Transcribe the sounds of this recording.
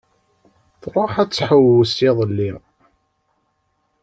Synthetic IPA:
θɾˤoħæt͡sːħəwəsiðˤəlːi

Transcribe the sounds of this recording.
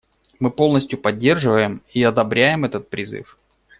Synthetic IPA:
mɨpo̞lˠnəsʲtʲjʊpɐdʲːe̞rʐɨvəjɪmiɐd̪ɐbɾʲæjɪmɛt̪ət̪̚pɾʲɪzɨ̰f

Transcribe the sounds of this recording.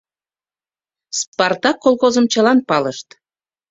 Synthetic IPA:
sport̪ɑkːolˠɣozəmt͡ɕəlɑnpɑləʃt̪

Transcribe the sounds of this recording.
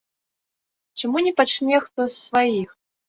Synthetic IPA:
t͡ɕɪmunʲipat͡ʃnʲɛxt̪osːvajix

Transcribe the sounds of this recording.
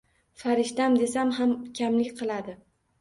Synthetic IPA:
faɾɪʃt̪amd̪e̞samɦamkʲʰamlɪkʲqʰɨlˠad̪ɪ

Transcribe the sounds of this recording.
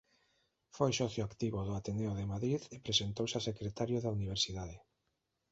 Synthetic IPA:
fojsɔθjʊakt̪iβʊðʊat̪eneoðemaðɾiðepɾesent̪owsasekɾet̪aɾjʊðauniβ̞eɾsiðaðe

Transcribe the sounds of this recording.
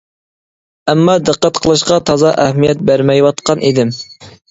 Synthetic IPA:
ɛmːɑd̪əqːæt̪qʰəlˠɨʃqɑt̪ʰɑzɑʔɛhmijɛt̪̚bæɾmɛjwɑt̪qʰɑnʔid̪ɪm

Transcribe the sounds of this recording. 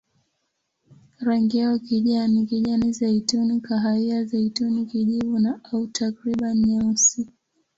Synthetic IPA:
ɾaŋɡiaɔkiʄanikiʄanizaitunikaɦaiazaitunikiʄivunaautʰakɾiɓanɲausi

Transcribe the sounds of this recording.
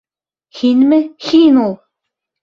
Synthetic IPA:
hinmɘxinulˠ

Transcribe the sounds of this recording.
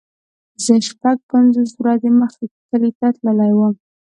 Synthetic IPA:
zəʃpaɡ̚panzos̬wɾɑd̪eməxket̪əlit̪at̪ləlajwəm

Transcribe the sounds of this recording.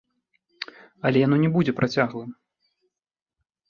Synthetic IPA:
ɐlʲɛjanɔnʲɛbud͡zʲɛpɾʔat͡sʲaɣlˠɨm

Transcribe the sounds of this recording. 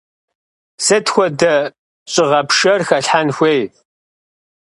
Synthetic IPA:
sɨtxʷɔdɐ | ɕʼɪʁɐpʂɐrxɐɬħanxʷej

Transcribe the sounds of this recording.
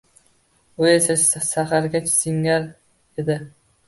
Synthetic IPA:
ʊesasaχaɾɡʲat͡ʃsɪŋːaɾ | ed̪ɪ

